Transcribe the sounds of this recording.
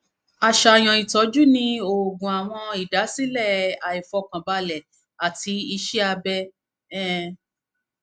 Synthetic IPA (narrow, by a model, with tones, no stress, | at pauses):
a˨˧ʃa˨j̃ɔ̃˨i˨tɔ˨˦d͡ʒu˦nĩ˧o˨ɡũ˨a˨w̃ɔ̃˧i˨da˨˦si˦lɛ˦˨a˨i˨fɔ˧kã˨ba˧lɛ˨ | a˨ti˨˦i˧ʃɛ˦a˧bɛ˧ | ɛ˦˨